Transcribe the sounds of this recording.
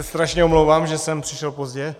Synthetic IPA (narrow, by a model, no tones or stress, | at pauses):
ɛst̪ɾaʃɲɛomlowvaːmʒɛsɛmpr̥ɪʃɛlpozɟɛ